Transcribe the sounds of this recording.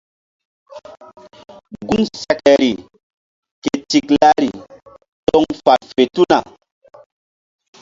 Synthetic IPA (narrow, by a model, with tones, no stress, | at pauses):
ɡu˦ŋsɛ˦kɛ˨ɾi˨ | ke˨ti˨kla˦ɾi˨ | tɔ˦ŋfa˨tfe˨tu˦na˨